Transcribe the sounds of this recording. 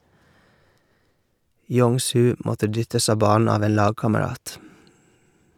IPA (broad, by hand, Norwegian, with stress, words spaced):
ˈjɔŋˌsʉː ˈmɔtə ˈdʏtəs ˈɑː ˈbɑːn̩ ˈɑːʋ ˈeːn ˈlɑːɡkɑməˌɾɑːt